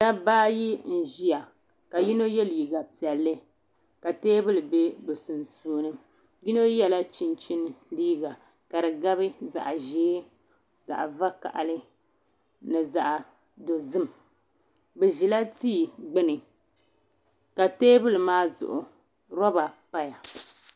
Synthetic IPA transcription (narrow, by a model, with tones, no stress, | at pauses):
da˦baː˦ji˦n̩˨ʒi˦ja˨ | ka˨ji˦no˦jɛ˦liː˨ɡa˨pi˨ɛ˨lːɨ˦ | ka˨teː˦bɨ˦lɨ˨be˦bɨ˨sɨ˨n̩˨suː˦˨˦nɨ˦ | ji˦no˦jɛ˦la˦t͡ʃi˦nt͡ʃi˦n˦liː˦ɡa˨ | ka˨ɾɨ˨ɡa˦βɨ˦za̰˨ʔʒeː˦ | za̰˨ʔva˦ka̰˨ʔa̰˨lɨ˦ | nɨ˨za˨ʔa˨ | do˨zɨ˦m˨ | bɛ˨ʒi˨la˦tiː˦˨ɡ͡bɨ˦nɨ˨ | ka˨teː˦bɨ˦lɨ˨maː˦zʊ̰˨ʔʊ˨ | ɾɔ˦ba˨pa˦ja˨